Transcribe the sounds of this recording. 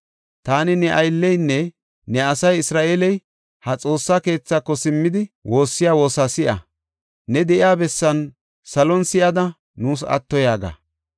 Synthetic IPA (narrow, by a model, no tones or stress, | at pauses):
t̪aːnɪnɛʔɐjlːɛjnːɛ | nɛɐsɐjɪsɾaːʔeːlɛj | hɐt͡sʼo̞ːsːaːke̞ːt͡sːaːkːɔsɪmːɪd̪ɪwo̞ːsːɪjaːwo̞ːsaːsɪʔɐ̰ | nɛd̪ɛʔɪjaːbɛsːɐn | sɐlɔnsɪjɐd̪ɐ | nuːs̬ɐ̰t̪ːɔjaːɡa̰